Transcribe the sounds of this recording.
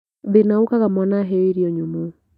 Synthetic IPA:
ðinaukaɣamɔnaɦɛiɾiɔɲumu

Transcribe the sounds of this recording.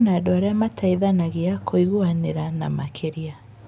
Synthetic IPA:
nadɔaɾɛamatʰaiðanaɣiakʰoiɣuaneɾana̰makʰeɾia

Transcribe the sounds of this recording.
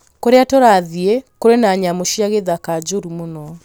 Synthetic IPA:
koɾeatoɾaðiekoɾenaɲamoʃiaɣeðakad͡ʒoɾumonɔ

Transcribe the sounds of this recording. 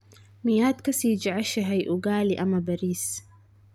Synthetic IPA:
mijaːd̪kasiːd͡ʒaʕaʃaɦajʔuɡaːliʔamabaɾiːs

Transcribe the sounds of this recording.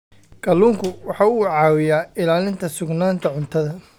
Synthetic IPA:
ɡ̥ɐlːuːŋkʰʊwɑħɑːʊːʕɑːwɪjaːɪlaːlɪnt̪ʰɐsʊɡnaːnt̪ʰɐʕʊnt̪ʰɐðɐ

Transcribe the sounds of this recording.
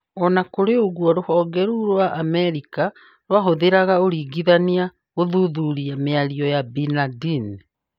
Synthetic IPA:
ɔnakoɾeoɣwɔɾohɔːɡɛɾuɾwaʔamɛɾika | ɾwaɦoðeɾaɣaoɾiːɡiðania | ɣoðuðuɾiameaɾiɔjabinadin

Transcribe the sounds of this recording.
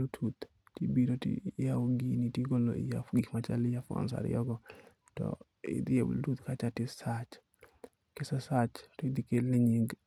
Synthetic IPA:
otʰut̪ | tibiɾotḭjaoŋɡinitiɡolo̰ḭjafɡikmat͡ʃa̰lɪjafɔ̰nsa̰ɾɪ̰jɔ̰ɡɔ | tɔ̰ | ɪ̰d̪ɪebtut̪kat͡ʃatɪsat͡ʃ | kesasat͡ʃɾid̪ikeleɲiɡ

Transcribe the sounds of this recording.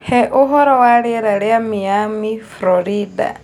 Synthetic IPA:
hɛʔɔɦɔɾɔwaɺiɾaɺɛamijamifɾɔɾida̰

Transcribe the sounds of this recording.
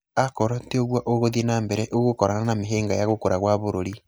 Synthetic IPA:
akoɾateoɣwaʔoɣoðienaːmbɛɾeʔoɣokoɾananameɦeːŋɡajaɣokoɾaɣwaβoɾoɾi

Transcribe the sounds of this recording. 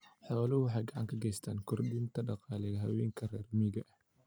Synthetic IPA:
ħɔːlɐhʊwɑħɑjɡɑʕɑŋkʰɐɡɛjst̪ʰaːŋkʰɔrd̪ɪnt̪ʰɐɖɑqɑːlɛɐɦɐwɛːŋkʰɐrɛːrmiɣɐʔh

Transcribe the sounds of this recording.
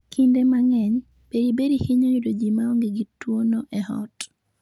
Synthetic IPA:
kʰindemaŋɛɲ | b̥eɾibeɾihiɲojidod͡ʒimaɔŋɡɪɡitwonɔʔɛhɔ̰t

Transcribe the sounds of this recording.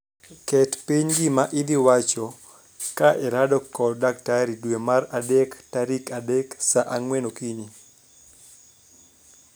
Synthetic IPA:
kɛtpiɲɡimaʔɪd̪ɪwat͡ʃɔ | kaʔɛɾadɔkɔdak̚taɾidwemaɾadɛktaɾikadɛksaʔaŋwenokiɲi

